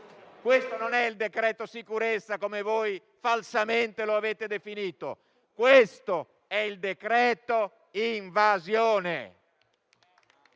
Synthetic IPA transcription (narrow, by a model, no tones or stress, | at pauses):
kwest̪ononɛild̪ekɾɛːt̪osikuɾet̪sːakomevoj | falsament̪eloaveːt̪ed̪efiniːt̪o̰ | kwest̪o | ɛild̪ekɾɛːt̪o | iɱvazjoːnḛ